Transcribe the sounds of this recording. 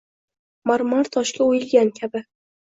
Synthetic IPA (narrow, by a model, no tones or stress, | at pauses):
maɾmaɾt̪ʰɒʃkʲʰaojɪlɡʲankʲʰabɪ